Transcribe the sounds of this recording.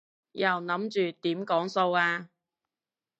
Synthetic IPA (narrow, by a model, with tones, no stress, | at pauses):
jɐ˨wnɐ˨˥mt͡ʃyː˨t̪iː˨˥mkɔː˨˥ŋso˧waː˧